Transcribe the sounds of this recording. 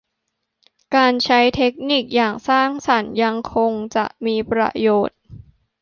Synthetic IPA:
kaː˧nt͡ɕʰa˦˥jt̪ʰe˦˥k̚ni˨˩k̚jaː˨˩ŋsaː˥˩ŋsa˩˦nja˧ŋkʰo˧ŋt͡ɕa̰˨˩ʔmiː˧pɾa̰˧joː˨˩t̪̚

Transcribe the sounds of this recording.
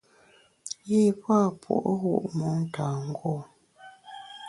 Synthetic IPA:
ji˦pwa˦pʰṵ˨ʔɣṵ˦˨ʔmɔ˨˦ŋ˦ta˨ŋ̩˦ɡo˦˨

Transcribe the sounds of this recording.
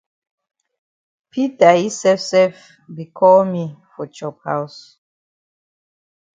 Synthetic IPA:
pʰi˦ta˨hi˦sɛfsɛf | bi˨kʰɔ˦lmi˦fɔ˨t͡ʃɔ˦phaws

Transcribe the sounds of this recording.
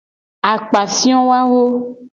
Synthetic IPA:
a˨k͡pa˨si˦ɔ̃˦wa˦wo˦

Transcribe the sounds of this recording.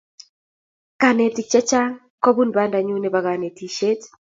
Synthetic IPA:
ka˨ne˨ti˨t͡ʃɛ˦t͡ʃa˦ŋ | kɔ˦bu˦nba˦nda˨ɲu˦ne˨ba˨ɡa˨ne˨ti˨ʃe˦t

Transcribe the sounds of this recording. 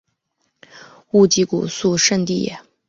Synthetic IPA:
u˥˩t͡ɕi˧˥kṵ˨˩su˥˧ʂə˥˧nt̪i˥˩jɛ̰˨˩˦

